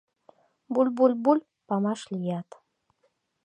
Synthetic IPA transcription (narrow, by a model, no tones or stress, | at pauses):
bulʲbulʲbulʲ | pɑmɑʃlʲijɑt̪